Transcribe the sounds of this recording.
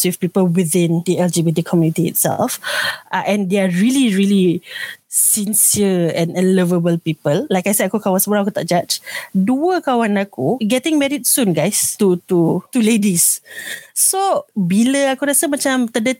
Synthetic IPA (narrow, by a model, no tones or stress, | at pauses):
swifpipəlwiθĩndiɛld͡ʒibitikʰɔmjunit̪iɪ̰tsɛ̰lfʔaʔɛ̃ndeaɹiliɹili | sĩnsiəɛ̃nə̃nləvəbəlpipəlːajkajsɛakukawãnsəmuɾaŋakut̪a̰ʔd͡ʒat͡ʃduəkawanakuɡɛtɪ̃ŋmɛɹid̚sũnɡaɪstut̪ut̪uledisː | obiləakuɾasəmat͡ʃãmt̪ədə